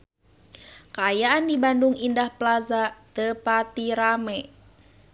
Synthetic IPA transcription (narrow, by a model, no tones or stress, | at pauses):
kaːjaʔandibanduŋindahplazat̪əpat̪iɾamɛ